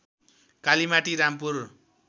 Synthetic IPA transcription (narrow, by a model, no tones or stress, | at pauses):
kalimaʈiɾampur